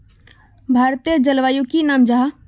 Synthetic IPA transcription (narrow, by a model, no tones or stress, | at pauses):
bʱaːɾt̪iəd͡ʒəlʋaːjukinaːmd͡ʒaɦa